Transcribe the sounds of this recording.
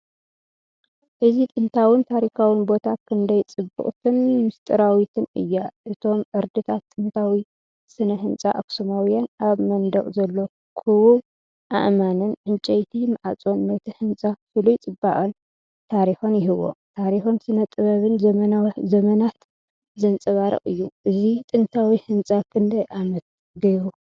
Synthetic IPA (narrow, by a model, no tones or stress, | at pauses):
ʔɨzit̪ʼɨnt̪ʰawɨnt̪ʰaɾikʰawɨnbo̞t̪ʰakʰɨnd̪ɐjt͡sʼɨbṵχʼt̪ʰɨnmɨst̪ʼɨɾawit̪ʰɨnɨ̰jːaʔɨt̪ʰo̞mʔɨɾd̪ɨt̪ʰat̪ːʼɨnt̪ʰawi | sɨnɐɦɨnt͡sʼaʔaksomawijanaβmɐnd̪ɐχʼzɐlːo̞ | kʰɨwu | ʔa̰ʔmanɨnʕɨnt͡ʃʼɐjt̪ʰimaʕat͡sʼonːɐt̪ʰihɨnt͡sʼafɨlujt͡sʼɨbːa̰ʔʼɐn | t̪ʰaɾixonjɪɦɨβo̞̰t̪ʰaɾixonsɨnɐt̪ʼɨβɐβɨnzɐmɐnawzɐmɐnat̪ | zɐnt͡sʼɐβaɾɐ̰ʔʼɨjːuʔɨzit̪ʼɨnt̪ʰawihɨnt͡sʼakʰɨnd̪ɐjʔamɐt̪̚ | ɡɐjɾu